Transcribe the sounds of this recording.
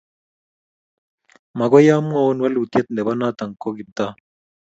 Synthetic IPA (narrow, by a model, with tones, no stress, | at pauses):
ma˨ɡɔ˦ja˦mu˦a˦˨wo˦nwa˦lu˨t̪je˦t̪̚ndɛ˨ba˦na˦t̪a˨ŋko˦ɡi˨b̚t̪a˦